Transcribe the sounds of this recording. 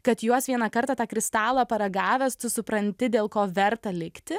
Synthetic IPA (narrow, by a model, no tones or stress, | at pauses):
kɐt̪juɔsʋʲiɛnɐkɐɾt̪ɑːt̪ɑːkɾʲɪst̪ɑːlˠɐpɐɾɐɡɑːʋʲɛst̪ʊsʊpɾɐnʲt̪ʲɪd̪ʲeːlˠkoːʋʲɛɾt̪ɐlʲɪkt̪ʲɪ